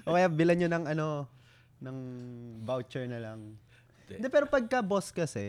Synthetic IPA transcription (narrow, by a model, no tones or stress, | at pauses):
ʔokɐjabɪlɐnɲonɐŋɐno̞ | nɐŋvawt͡ʃɛɹnɐlɐŋ | d̪ɛpɛːɾopɐɡ̚kɐboskɐsɛ